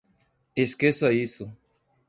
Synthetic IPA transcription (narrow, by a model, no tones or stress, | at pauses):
eskesaisʊ